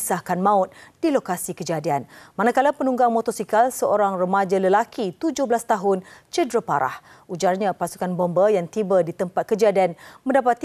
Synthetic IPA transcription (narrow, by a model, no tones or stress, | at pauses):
sahkanmãʊt̪̚d̥ilokasikəd͡ʒadianmanakalapənuŋɡaŋmɔt̪ɔsikalsəʔoɾaŋrəmad͡ʒaləlakʰit̪ud͡ʒʊhbəlast̪aɦʊnt͡ʃədɾəpaɾʔa̰h | ʔud͡ʒarɲãpasu̥kanbombəjaŋt̪ibədit̪əmpat̪̚kəd͡ʒadianmə̃ndapat̪